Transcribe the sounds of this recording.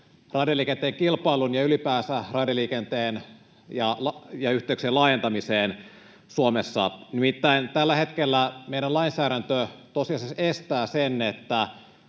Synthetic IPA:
rɑdjɑliːkent̪eːŋkilpɑilunjɑylipæːsærɑdjɑliːkent̪eːn | jɑlɑjɑyht̪ˑeykseːlɑːjent̪ɑmiseːn | suomesːɑ̰nimit̪ːæint̪ælːæhe̞t̪kelːæmejɾænlɑinsæːɾænt̪øt̪osiɑsesest̪æːsenet̪ːæ

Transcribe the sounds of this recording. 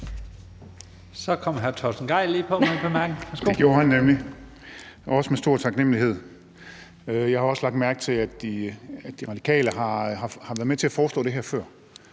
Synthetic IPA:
sɒ̽kʰɒ̽m̰ɦæɐt͡sʰɒsn̩ɡ̥ɑ̈ɪ̰liːpʰɒ̽pʰemæɐɡ̥n̩æsoɡ̥jo̝ːɐhænːemli | ɒ̽səmesd̥o̝ɐ̰t͡sʰɑ̈ɡ̥nem̰liɦe̝ð̞̰ˠ | øjɑ̈ɪhɑ̈ɒ̽slɑ̈ɡ̥d̥mæɐɡ̥̚t͡sʰe̝læd̥d̥iæ̥iʁɑ̈d̥ikʰɛ̰ːləɦɑ̈hɑ̈hɑ̈ʋæɐð̩ˠmet͡sʰe̝æfɒːsd̥ɔ̰̽ːd̥e̝ɦæɐfɶɐ̰

